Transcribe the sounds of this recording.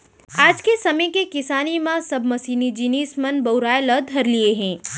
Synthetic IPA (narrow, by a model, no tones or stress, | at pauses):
aːd͡ʒkesɐmə̃kekɪsaːnimãsɐbmɐsiːnid͡ʒiniːsmɐnbɐʊɾaːjlɐd̪ʱɦɐɾlieɦɛ̃ː